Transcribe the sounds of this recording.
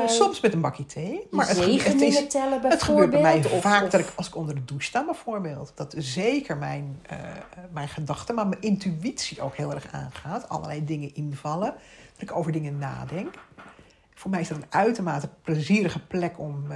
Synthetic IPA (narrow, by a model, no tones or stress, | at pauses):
sɔmsmɛtənbɑkitʰejmaːɹəətɪstɛləbɛətχəbøːɹtɛmɛjfaːkdɑtɪkɑlˠsɪ̥kɔndərdədustaːbɛjv̥oːɹbeːlˠtdɑtzejkəɹmɛjn̰ | mɛjnχədɑχtəmaːɹmənʔɪntyitsiʔo̰wkɦɪːlˠɛɹχa̰ːnχaːtɑ̰lˠə̰lɛjdɪŋənʔɪnvɑləd̥ɑtɪkowvəɹdɪŋəna̰ːdɛŋk | fʊːɹmɛjɪzdɑtənœɥtomaːtəpləziːɾəχəplɛkɔm